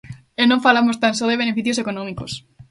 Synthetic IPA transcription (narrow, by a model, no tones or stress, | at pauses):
enõɱfalamost̪ansoðeβ̞enefiθjosekonõmikos